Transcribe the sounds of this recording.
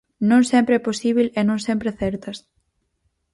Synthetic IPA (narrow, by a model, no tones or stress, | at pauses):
nõŋsɛmpɾeɛposiβ̞elenõŋsempɾeθɛɾt̪ɐs